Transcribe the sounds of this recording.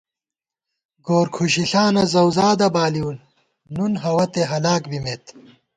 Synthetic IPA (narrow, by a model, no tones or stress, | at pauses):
ɡoːɾkʰuɕiɬaːnɐzɐwzaːd̪ɐbaːliunː | unɦɐwɐt̪eɦɐlaːkbimeːt̪